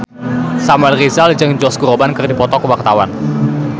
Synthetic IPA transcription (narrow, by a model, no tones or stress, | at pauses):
samuɛlrizald͡ʒɨŋd͡ʒɔskuɾobankɨrdipɔt̪ɔkəwak̚t̪awan